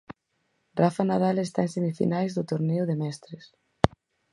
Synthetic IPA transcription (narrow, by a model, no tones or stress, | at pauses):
rafanað̞alest̪aẽnsemifḭnajzðʊt̪oɾneʊðemɛst̪ɾɪs